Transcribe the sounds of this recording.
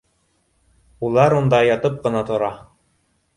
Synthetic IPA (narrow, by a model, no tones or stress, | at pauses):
ulˠɑɾund̪ɑjɑt̪ɤp̚qɤ̆nɑt̪ŏɾɑ